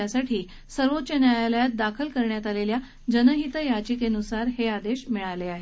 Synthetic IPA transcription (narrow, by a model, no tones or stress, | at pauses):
asaʈʰiː | səɾʋot̪̚ːt͡ɕanjajaləjat̪̚d̪akʰəlkəɾɳjat̪alelja | d͡ʑənəɦit̪əjat͡ɕikenusaɾɦead̪eɕmiɭaleaɦe